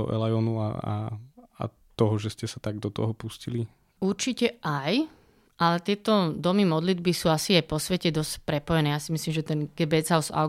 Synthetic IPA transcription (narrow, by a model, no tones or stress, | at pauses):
ɔ̰ʔɛ̰lajɔnua̰a̰a̰ | t̪ɔɦɔʒɛscɛsat̪aɡd̪ɔt̪ɔɦɔpuscili | uɾt͡ʃicɛʔaj | ʔalɛt̪ɪɛt̪ɔd̪ɔmimɔd̪lid̪̚bisuːasiajpɔsʋɛcɛd̪ɔscpɾɛpɔjɛnɛːjaːsimislimʒɛt̪ɛnɡɛbɛzaʊsa̰ʊ